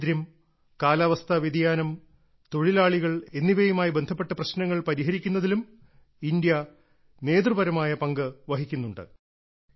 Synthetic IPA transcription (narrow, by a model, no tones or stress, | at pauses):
ɾjɐm | kaːlɐʋɐst̪ʰɐʋjid̪ijaːnɐm | t̪o̞ɻilaːɭiɣɐɭe̞nːiʋɐjumaːjibe̞nd̪ʱɐpːe̞ʈːɐprɐɕnɐŋːɐɭpɐɾiɦɐɾikʲːunːɐðilum | ind̪jɐ | ne̞ːd̪rɨbɐɾɐmaːjɐpɐŋɡɨʋɐɦikʲːunːuɳɖɨ̰